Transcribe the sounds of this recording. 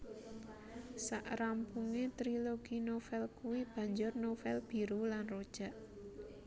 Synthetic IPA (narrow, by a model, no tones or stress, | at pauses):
sa̰ʔɾampuŋet̪ɾiloɡ̥inofɛlkuwib̥ä̤ɲd͡ʒʊrnofɛlb̥i̤ɾulanrod̥ʒ̥ä̤ʔ